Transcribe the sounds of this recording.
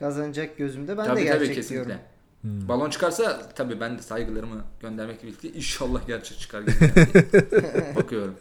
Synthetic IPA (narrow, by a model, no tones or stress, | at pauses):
kʰazand͡ʒak̚ɟø̞zymd̪ɛbænad̪ɛiabiːɛcʰesinːclʲɛ | balˠont͡ʃʰɯ̥kʰaɾsat̪ʰabiːbænd̪ɛsajɡɯlˠaɾɯmɯɟ̥ønd̪æɾmɛcbilʲcʰiʔinʃalˠːahɟæɾt͡ʃʰɛc̚t͡ʃʰɯ̥kʰaɾɟi | bakʰɯjo̞ɾum